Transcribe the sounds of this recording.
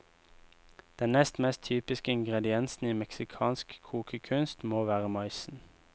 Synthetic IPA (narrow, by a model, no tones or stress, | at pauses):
d̪̥ɛnnɛst̪mɛst̪ʰyːpɪskəɪŋɡʁɛd̪ɪɛnsn̩iːmɛksɪkʰɑːnskkʰuːkʰəkʰʉnst̪moːʋæːʁəmɑɪsn̩